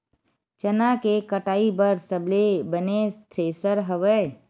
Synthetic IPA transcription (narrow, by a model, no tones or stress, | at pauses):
t͡ʃənakekəʈaːibəɾsəblebənest̪ʰɾeːsəɾɦəʋə